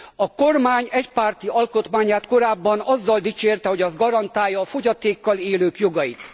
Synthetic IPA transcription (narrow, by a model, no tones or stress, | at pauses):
ɒko̞rmaːɲɛcpart̪iɒlko̞t̪maːɲaːt̪ko̞ɾaːbːɒnɒzːɒld̪it͡ʃeːrt̪ɛho̞ɟɒzɡɒɾɒnt̪aːjːɒːfo̞ɟɒt̪eːkːɒleːløːkjoɡɒjit̪